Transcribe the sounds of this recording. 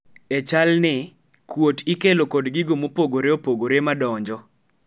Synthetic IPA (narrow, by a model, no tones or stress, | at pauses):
ɛt͡ʃalnɪ | kwotɪkelokɔdɡɪɡomopoɡoɾeopoɡoɾemadɔɲd͡ʒɔ